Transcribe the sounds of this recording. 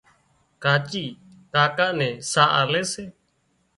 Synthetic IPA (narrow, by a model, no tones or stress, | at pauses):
kaːt͡ʃiː | kaːkaːnɛ̃ːsaːʔa̰ːleːseː